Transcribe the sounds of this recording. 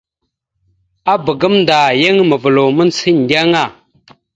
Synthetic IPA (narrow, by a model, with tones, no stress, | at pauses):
a˦bə˨ɡə˦mnda˨jə˦ŋmə˨və˨lo˨mə˦nsi˦n˨da˦ŋa˦˨